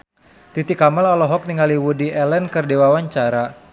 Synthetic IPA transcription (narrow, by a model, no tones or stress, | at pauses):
t̪it̪ikamalɔlɔɦɔk̚niŋaliwudiɛlɛnkɨrdewawaɲt͡ʃaɾa